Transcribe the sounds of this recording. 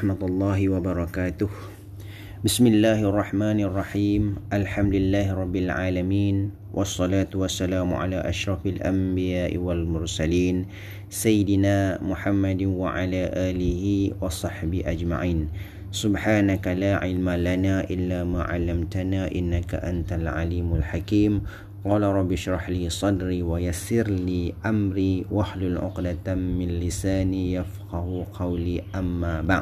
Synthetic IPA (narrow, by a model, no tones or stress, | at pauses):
ħmat̪ɑlˤːɑːɦɪwabɑɾˤɑkaːt̪ʊh | bɪsmɪlːaːhʔɑrˤːɑħmaːnʔɑrˤːɑħiːmʔalħamd̪ʊɪlːaːhɪɾˤɑbːɪlʕaːlamiːn | wʔɑsˤːɑlaːt̪ʊwasːalaːmʊ̰ʕa̰laːʔaʃɾˤɑfalʔa̰mbɪjaːʔɪ̰walmʊɾsaliːn | sajːɪd̪ɪnaːmʊħamːad̪wa̰ʕalaːʔaːlɪhɪwɑsˤɑħbɪʔad͡ʒma̰ʕiːn | sʊbħaːnakalaːʕɪlmalanaːʔɪlːaːmaːʕa̰lːamt̪anaːʔɪnːaka̰ʔant̪alʕa̰liːmʊlħakiːm | qɑːlaɾˤɑbːɪʃɾˤɑħliːsˤɑd̪ɾiːwajasɪɾliːʔamɾiːwaħlʊlʕʊ̰qd̪at̪mɪnlɪsaːnijafqɑhʊqʰɑwliːʔamːaːba̰ʕd